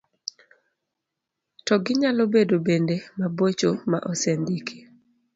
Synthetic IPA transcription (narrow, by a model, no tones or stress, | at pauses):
tɔɡɪɲalobedobendemabot͡ʃoma̰ʔɔsɛndikʰe